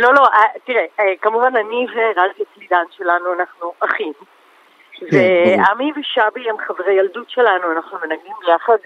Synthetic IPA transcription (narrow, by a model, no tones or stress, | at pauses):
lo̞lo̞ʔat̪iʁekamuvananiveʁazet͡slid̪anʃe̞lanuanaχnuʔaχim | veamiveʃabiemχavʁejaldutʃe̞lanuanaχnume̞naɡlimbejaχad̪